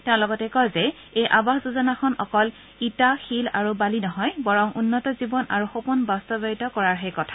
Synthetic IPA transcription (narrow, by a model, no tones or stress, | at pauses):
tɛ̃ʊ̃lɔɡɔtɛkɔjzɛ | ejʔabaxzuzɔnaxʰɔnɔ̰kɔl | itaxila̰ɹubalinɔɦɔjbɔɹɔŋʔunːɔtɔzibɔnaɹuxopunbastɔbaitɔkɔɹaɹɦejkɔtʰḁ